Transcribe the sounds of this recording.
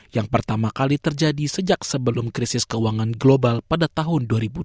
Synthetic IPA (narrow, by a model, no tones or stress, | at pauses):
jaŋpərt̪amakalit̪ərd͡ʒadisəd͡ʒak̚səbəlʊmkɾisɪskəuaŋanɡlobalpadat̪aɦʊnduaɾibu